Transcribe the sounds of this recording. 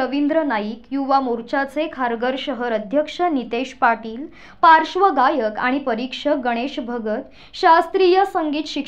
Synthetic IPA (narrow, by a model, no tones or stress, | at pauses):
əʋind̪ɾənaiːkjuʋamuɾt͡ɕat͡sekʰaɾɡəɾɕəɦəɾəd̪ʱjəkʂənit̪eɕpaʈiːl | paɾʂʋəɡajəka̰ɽ̃ipəɾikʂəɡəɽ̃eɕbʱəɡət̪ | ɕast̪ɾiːjəsəŋɡiːt̪ɕik